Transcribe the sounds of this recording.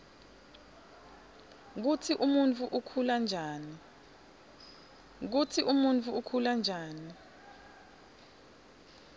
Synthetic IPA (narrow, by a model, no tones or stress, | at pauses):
k̬utʰiʔumunt͡fʰuʔukʰuland͡ʒʱaːni | k̬utʰiʔumunt͡fʰuukʰuland͡ʒʱaːni